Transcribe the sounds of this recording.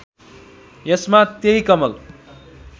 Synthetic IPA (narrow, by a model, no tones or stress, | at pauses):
jʌsmat̪eikʌmʌl